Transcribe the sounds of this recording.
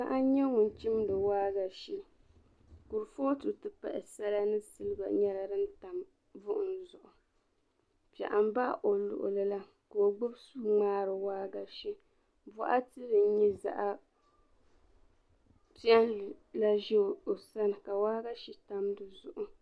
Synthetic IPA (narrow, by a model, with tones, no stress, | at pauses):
ka˦ʔa˦ɲɛ˦ŋʊ˨n˨t͡ʃi˦mdɨ˨waː˦ɡa˨ʃi˦ | ku˨ɾfoː˦tu˨tɨ˦pa̰˨ʔɛ̰˨sa˦la˦nɨ˦sɨ˦lɨ˦ba̰˨ɲɛ˦la˨dɨ˦n˦ta˨m | vʊ˦ʔʊ˨n̩˦zʊ˨ʔʊ˨ | pɛ̰˨ʔa˨m˦ba˦ʔo˨lʊ̰˨ʔʊ̰˨lɨ˦la˦ | ka˨o˨ɡ͡bʊ˦bsu˦ŋ͡maː˦ɾɨ˨waː˦ɡa˨ʃi˦ | bɔ˨ʔa˦tɨ˦ɾɨ˨n˦ɲi˦za̰˨ʔa˦ | pi˦a˦n˨la˦ʒɛ˦˨o˨sa˦nɨ˨ka˨waː˦ɡa˦ʃi˦ta˦mdɨ˨zʊ̰˨ʔʊ˨